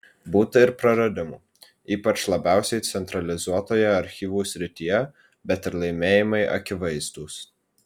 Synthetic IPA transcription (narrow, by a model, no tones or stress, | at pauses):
buːt̪ɐɪɾpɾɐɾɐd̪ʲɪmuː | iːpɐt͡ʃlˠɐbʲæˑʊsʲɛɪt̪sʲɛnt̪ɾɐlʲɪzuɔt̪oːjɛɐɾʲxʲiːʋuːsʲɾʲɪt̪ʲijɛ | bʲɛt̪ɪɾlˠɐɪmʲeːjɪmɐɪʔɐ̰kʲɪʋɐɪzd̪uːs